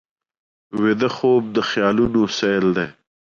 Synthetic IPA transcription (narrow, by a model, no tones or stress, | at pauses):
wed̪ɐxoːb̚d̪əxjɑːlunosejld̪eː